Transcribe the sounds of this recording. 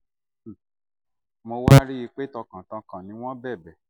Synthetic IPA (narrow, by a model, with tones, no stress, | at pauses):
mo˧wa˦ɾi˦i˧k͡pe˦tɔ˧kã˨tã˧kã˨nĩ˨˦w̃ɔ̃˦bɛ˦˨bɛ˨